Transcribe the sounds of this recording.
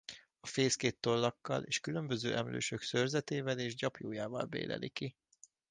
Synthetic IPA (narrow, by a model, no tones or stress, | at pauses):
ɒfeːskeːt̪ːo̞lːɒkːɒ̰leːʃkylømbø̞zø̰ːʔɛmlø̰ːʃøksørzɛt̪eːvɛleːʒɟɒpjoːjaːvɒlbḛːlɛ̰liki